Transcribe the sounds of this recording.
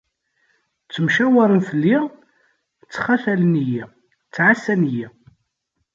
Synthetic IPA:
t͡sːəmʃæwəɾˤənfəlːi | t͡sːχafæləniji | t͡sːʕasːænji

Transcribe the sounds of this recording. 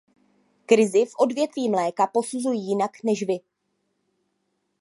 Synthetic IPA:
kɾɪzɪfʔo̞dvjɛt̪viːmlɛːkapo̞suzujiːjɪnaknɛʃvɪ

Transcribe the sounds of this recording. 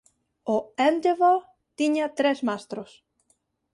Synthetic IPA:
oɛnd̪evo | t̪iɲat̪ɾesmast̪ɾos

